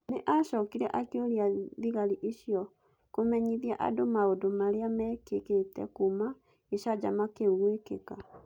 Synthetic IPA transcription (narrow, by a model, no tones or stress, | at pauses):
neʔaɕɔkiɾɛʔakeoɾiaðiɣaɾiʔeɕjɔ | komɛɲiðiaʔa̰domaodomaɾeamɛːkeketɛ̰kuma | eɕad͡ʑamakeuɣwekḛka